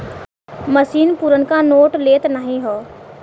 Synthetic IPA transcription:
məsiːnpuːɾənkanoːʈleːt̪nəɦĩɦoː

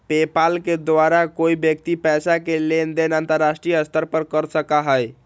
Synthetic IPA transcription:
pepalked̪waɾakoibjək̚t̪ipɛsakelend̪enant̪əɾːasʈɾijəst̪ʰəɾpəɾkəɾsəkaɦəj

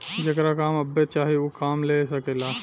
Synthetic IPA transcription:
d͡ʒekɾakaːmɐbːet͡ʃaːɦiukaːmlesəkelaː

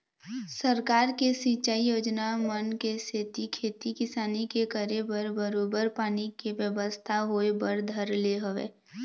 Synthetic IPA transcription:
səɾkaːɾkesĩːt͡ʃaːijoːd͡ʒnamənkeseːt̪ikʰeːt̪ikɪsaːnikekəɾebəɾbəɾoːbəɾpaːnikeʋjəbəst̪ʰaɦoːebəɾd̪ʱəɾleɦəʋḛː

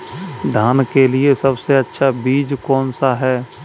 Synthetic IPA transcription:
d̪ʱaːnkeliesɐbseɐtːʃʰabiːd͡ʒkɔːnsaɦɛː

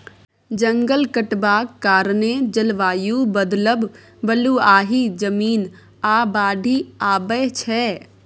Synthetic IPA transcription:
d͡ʒə̃ŋɡəlkəʈbaːkkːaːɾnẽd͡ʒəlʋaːjubəd̪ləb | bəluaːɦid͡ʒəmiːn | aːbaːɖʱiaːbət͡ʃʰɛː

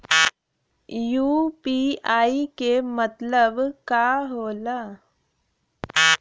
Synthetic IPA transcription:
juːpiaːikemət̪ləbkaɦoːla

